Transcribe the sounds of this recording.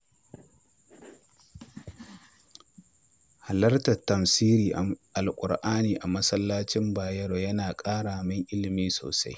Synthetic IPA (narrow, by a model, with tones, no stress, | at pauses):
ha˨lɐ˦rtɐ˨tːɐ˨msiː˦ɾiː˨ʔʔa˨lkʷʼʊ˨ɽʔaː˦niː˨ʔa˨mɐ˦sɐ˦lːaː˦t͡ʃɪ˦mbaː˨jɐ˦ɽo˨jɐ˦naː˨kʼaː˦ɽaː˨mɪ˦ŋʔɪ˦lɪ˨miː˦so̰ː˨sa˦j